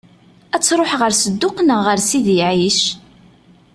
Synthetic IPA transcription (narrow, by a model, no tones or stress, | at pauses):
æt͡sːɾˤoħʁəɾsəd̪ːʊqnəʁːəɾsiðiʕiʃ